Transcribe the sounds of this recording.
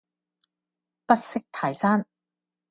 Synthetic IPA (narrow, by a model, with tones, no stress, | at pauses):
pɐ˥t̚sɪ˥k̚t̪ʰaː˨jsaː˥n